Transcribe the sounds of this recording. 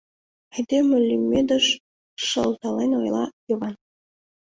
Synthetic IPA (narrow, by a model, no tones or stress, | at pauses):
ɘ̆jd̪emɘ̆lʲːymʲːed̪ə̆ʂ | ʂɤlˠt̪ɑlˠenʲojlˠɑjɤvɑn